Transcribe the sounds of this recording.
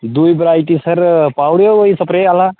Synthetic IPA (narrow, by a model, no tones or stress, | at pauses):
d̪uːibɾaːjʈisɐɾpaːwɾoʋoisɐpɾeala